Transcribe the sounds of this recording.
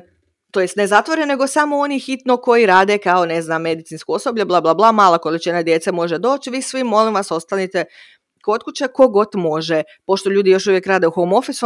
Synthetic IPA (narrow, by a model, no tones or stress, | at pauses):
t̪o̞jest̪ne̞zat̪ʋo̞ɾenne̞ɡo̞samo̞o̞niːxit̪noko̞jiɾaːd̪ekao̞neznaːmːe̞d̪it̪sinskoosobʎablˠablˠaːblˠamaːlˠako̞lit͡ʃinad̪je̞ːt̪semo̞ʒed̪o̞ːt͡ɕʋiːsʋimːo̞limʋaso̞st̪anit̪e | ko̞t̪̚kut͡ɕeko̞ɡo̞t̪mo̞ʒe | po̞ʃt̪oʎuːd̪ijo̞ʃuʋjekɾaːd̪euxomo̞fisu